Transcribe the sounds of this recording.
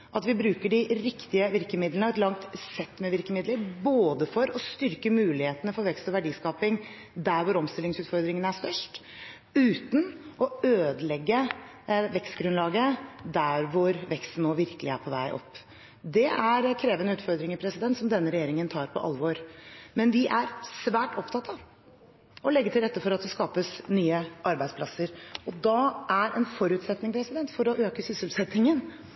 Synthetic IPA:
ʔɑt̪ʋɪbɾʉːkəɖɪɾɪkt̪ɪəʋɪɾkəmɪd̪lənɑʋɛt̪lɑŋt̪sɛt̪ːmɛʋɪɾkəmɪd̪ləɾboːd̪əfɔɾɔst̪ʏɾkəmʉːlɪheːt̪ənəfɔɾʋɛkst̪ɔʋæɖiːskɑːpɪŋ | d̪æɾʋʊɾɔmst̪ɪlɪŋsʉːt̪fɔɾd̪ɾɪŋənəæʂt̪œʂʈ | ʉːt̪n̩ʔɔøːd̪əlɛɡːə | ʋɛkst̪ɡɾʉnlɑːɡəd̪æɾʋʊɾʋɛkst̪n̩ːoːʋɪɾkəlɪæ̰ɾpʰɔʋæɪʔɔ̰pː | d̪ɛʔæɾkʰɾeːʋənəʉːt̪fɔɾd̪ɾɪŋəɾpʰɾɛsɪd̪ɛnt̪sɔmd̪ɛnːəɾɛjeːɾɪŋənt̪ʰɑːɾpʰɔ̰ʔɑ̰lʋoɾmɛnʋɪʔæɾsʋæːʈɔpt̪ʰɑt̪ɑʋ | ʔɔlɛɡːət̪ʰɪɾɛt̪ːəfɔɾɑt̪̚d̪ɛskɑːpəsnyːəʔɑɾbæɪspʰlɑsəɾɔd̪ɑʔæɾɛnfɔɾʉːt̪sɛt̪nɪŋpʰɾɛsɪd̪ɛnt̪fɔɾɔʔøːkəsʏsəlsɛt̪nɪŋən

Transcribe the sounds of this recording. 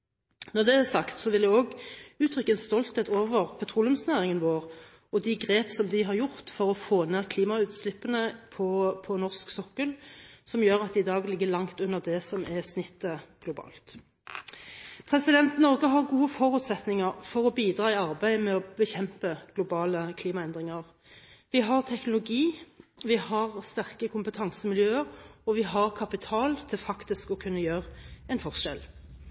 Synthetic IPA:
nɔʁd̪ɛæsɑkt̪sɔʋɪld̪ɛoːɡʉːt̪ʰɾʏkːəɛnst̪ɔlt̪heːt̪oːʋəʁpʰɛt̪ʰʁulʊmsnæːʁɪŋənʋoːʁ | ɔd̪ɪɡʁeːpsɔmd̪ɪɦɑʁjʊʁt̪fɔʁɔfoːnæːʁkʰliːmɑʉːt̪slɪpːənəpʰɔpʰɔnɔʁsksɔkːəlsɔmjøːʁɑt̪d̪ɛɪd̪ɑːɡlɪɡːəlɑŋt̪ʉnːəʁd̪ɛsɔmʔɛsnʏt̪ːəɡ̥lʊbɑ̰ːlt̪ | pʰʁɛsɪd̪ɛnt̪nɔʁɡəɦɑʁɡuːəfɔʁʉːt̪sɛt̪nɪŋəʁfɔʁɔbiːd̪ʁɑːɪɑʁbæɪmɛɔbəçɛmpəɡ̥lʊbɑːləkʰliːmɑɛnd̪ʁɪŋəʁ | ʋɪɦɑʁt̪ʰɛknʊlʊɡiːʋɪhɑʁst̪æʁkəkʰʊmpət̪ʰɑŋsəmɪljøːəʁɔʋɪɦɑʁkʰɑpɪt̪ʰɑːlt̪ʰɪlfɑkt̪ɪskɔkʰʉnːəjøːʁəɛɪnfɔʁʂɛl

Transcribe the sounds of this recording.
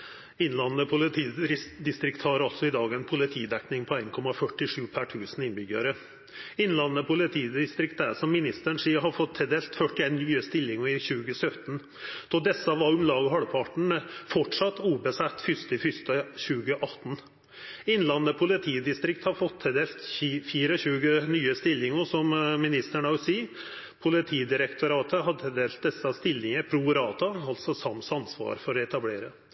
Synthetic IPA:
ɪnlɑnnəpʰʊlɪt̪ʰiːɾɪd̪ɪst̪ɾɪkt̪hɑɾɑlt̪sɔɪd̪ɑːɡæɪnpʰʊlɪt̪ʰiːd̪ɛknɪŋpʰɔæɪnkʰɔmɑfœʈːɪʂʉːpʰæʈʰʉːsn̩ɪnbʏɡəɾə | ɪnlɑnnəpʰʊlɪt̪ʰiːd̪ɪst̪ɾɪkt̪̚d̪æsɔmːɪnɪst̪əɳʂiːɦɑɾfɔt̪ʰːɛd̪eːlt̪fœʈɪɛːnːyːəst̪ɪlːɪŋɔɪɕʉːɡəsœt̪n | d̪̥ɔd̪ɛsəʋɑʊmlɑːɡɔɦɑɽpʰɑʈɳ̩fɔʈʂɑt̪ːuːbəsæt̪ːfʏst̪ɪfʏst̪əɕʉːɡəʔɑt̪ːn | ɪnlɑnːəpʰʊlɪt̪ʰiːd̪ɪst̪ɾɪkt̪hɑfɔt̪ʰhɛd̪eːlt̪ːfiːɾəɕʉːɡənyːəst̪ɪlːɪŋɔsɔmmɪnɪst̪əɳɑʊsiː | pʰʊlɪt̪ʰiːd̪ɪɾəkt̪ʰʊɾɑːt̪ʰəɦɑd̪hɛd̪eːlt̪̚d̪ɛsːɑst̪ɪlːɪŋəpʰɾuɾɑːt̪ɑɑlsɔsɑmsɑnsʋɑ̰ːɾfɔɾɔɛt̪ɑbleːɾə

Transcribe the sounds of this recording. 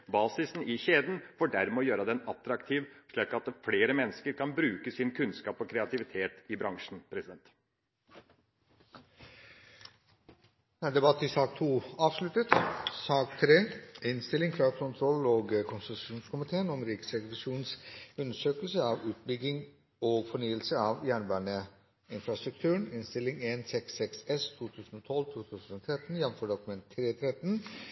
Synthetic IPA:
bɑːsɪsn̩ɪçeːd̪n̩fɔːɖæɾmɛɔjøːɾəd̪ɛnɑt̪ɾɑkt̪ʰiːʋʂɭiːkɑt̪fleːɾəmɛnːəskəɾkʰɑnbɾʉːkəsɪnkʰʉnskɑːpɔkʰɾɛɑt̪ʰɪʋɪt̪ʰeːt̪ɪbɾɑŋʂn̩pʰɾɛsɪd̪ɛnt̪ | æɖ̪ɛbɑt̪ːɪsɑːk̚t̪ʰuːɑːʋʂlʉt̪ət̪sɑːkt̪ʰɾeːɪnst̪ɪlɪŋkʰɾɑːkʰʊnt̪ʰɾɔloːɡkʰʊnsʉʃuːnskʊmɪt̪ʰeːənɔmɾiːksɛkʋɑʂuːnsʉnəʂøːkəlsəɑːʋʉːt̪̚bʏɡɪŋ | oːɡfɔɳyːəlsəɑːʋjæːɳbæːɳə | ɪnfɾɑst̪ɾʉk̚t̪ʰʉːəɳɪnst̪ɪlɪŋeːnsɛksɛksɛst̪ʰuːt̪ʰʉːsn̩oːt̪ʰɔlt̪ʰuːt̪ʰʉːsn̩ɔːt̪ʰɾɛt̪n̩jɛn̩føːɖɔkʉmɛnt̪ʰːɾeːt̪ʰɾɛt̪n

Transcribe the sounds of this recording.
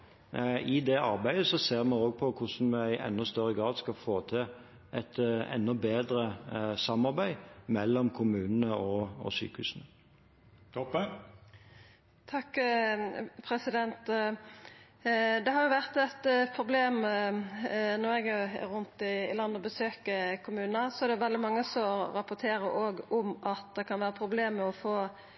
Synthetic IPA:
ɪd̪ɛʔɑ̰ɾbæɪd̪əsɔseːʁmɑnoːɡ̚pʰɔkʰʊʂn̩mɛæɪʔɛ̰nːɔst̪œɾːəɡʁɑːd̪skɑfoːt̪ʰɪl | ʔɛt̪ɛ̰nːɔbeːd̪ɾəsɑmɑʁbæɪmɛlːɔmkʰʊmʉːnənəɔɔ̰sy̰ːkəʉ̰ːsn̩ə | t̪ɔ | t̪ʰɑkː | pʰɾɛsɪd̪ɛnt̪ | d̪ɛɦɑɾjʊʋæʁt̪ɛt̪pʰɾʊbleːm | nɔɾɛɡɛɾʊnt̪ɪːlɑnːəɔbəsøːkəkʰʊmʉːnnəsɔæʁɖɛʋɛld̪ɪmɑŋːəsɔɾɑpʊt̪ʰeːɾəɾʔoːɡɔmɑt̪̚d̪ɛkʰɑnʋæːɾəpʰɾʊbleːmːɛɔfoː

